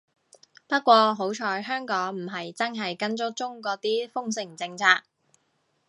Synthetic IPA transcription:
pɐ˥t̚kʷɔː˧ɦo˨˥wt͡ʃʰɔː˧jɦœː˥ŋkɔː˨˥ŋm̩˨˩ɦɐ˨jt͡sɐ˥nɦɐ˨jkɐ˥nt͡ʃʊ˥k̚t͡sʊ˥ŋkɔː˨˥t̪iː˥fʊ˥ŋsɪ˨˩ŋt͡sɪ˧ŋt͡sʰaː˧k̚

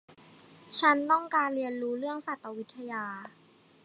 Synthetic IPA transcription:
t͡ɕʰa˦˥nt̪ɔ˥˩ŋkaː˧nɾi˧ənɾuː˦˥ɾɯ˥˩əŋsa˨˩t̪̚ːa˧wi˦˥t̪ʰːa˧jaː˧

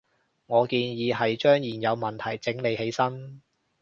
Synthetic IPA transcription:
ŋɔː˨˧kiː˧njiː˨˧ɦɐ˨jt͡ʃœː˥ŋjiː˨˩njɐ˨˧wmɐ˨˩nt̪ʰɐ˨˩jt͡sɪ˨˥ŋle˨˧jhe˨˥jsɐ˥n

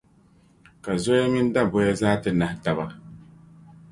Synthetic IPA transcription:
ka˨zo˦ja˦mi˦n˦da˦bɔ˦ja˦zaː˦tɨ˦na˨hta˨ba˦

